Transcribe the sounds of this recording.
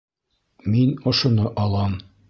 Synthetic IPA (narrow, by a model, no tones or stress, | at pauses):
minŏʃŏnɤʔɑlˠɑm